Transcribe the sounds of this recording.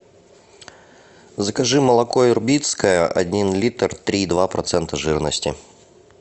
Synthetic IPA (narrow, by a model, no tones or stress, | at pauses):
zəkɐʐɨməlˠɐkoɪrbʲit̪skəjəʔɐ̰dʲinlʲit̪rt̪ɾʲid̪vapɾʔɐt̪sɛnt̪əʐɨɾnəsʲtʲɪ̰